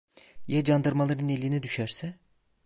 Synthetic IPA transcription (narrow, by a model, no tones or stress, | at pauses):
jad͡ʒand̪ɯɾmalˠaɾɯnelʲinid̪yʃæɾsɛ